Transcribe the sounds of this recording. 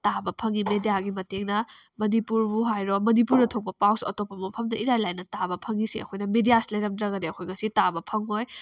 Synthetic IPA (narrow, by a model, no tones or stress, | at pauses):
tabɐpʰɐŋimedijaɡimɐteŋnɐmɐnipuɾbuɦajɾɔmɐnipuɾnɐtʰok̚bɐpawsɐtopːɐmɐpʰɐmdɐʔiɾajlajnɐtabɐpʰɐŋisiɐ̰kʰojnɐmedijaslɐjɾɐmdɾɐɡɐdeɐkʰojŋɐsitabɐpʰɐŋoj